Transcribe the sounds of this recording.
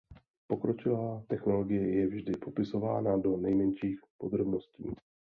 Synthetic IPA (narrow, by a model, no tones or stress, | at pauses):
po̞kɾot͡ʃɪvaːt̪ɛxno̞lo̞ɡɪjɛjɛvʒdɪpo̞pɪso̞vaːnado̞nɛjmɛnʃiːxpo̞d̪ɾo̞bno̞scḭː